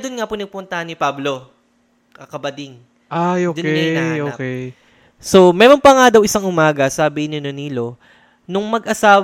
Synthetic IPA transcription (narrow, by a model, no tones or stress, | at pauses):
d̪ʊnŋapʊnɐɡ̚pʊnt̪ɐhɐnːɪpablo̞ | ɐkɐbɐd̪ɪŋ | ʔajoːd̪k̪ːɛʔokɛj | so̞mɛːɾompɐŋad̪ɐwʔɪsaŋʔʊmaːɡɐsɐɐbihnɲononiːlo̞ | nʊŋmɐɡʔɐsaːw